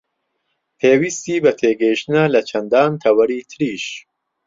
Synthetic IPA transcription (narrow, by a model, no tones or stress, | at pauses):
pʰeːwist̪iːbɐt̪ʰeːɡɛjʃt̪ɨnɐlɐt͡ʃʰɐnd̪ɑːnt̪ʰɐwɐɾiːt̪ʰɨɾiːʃ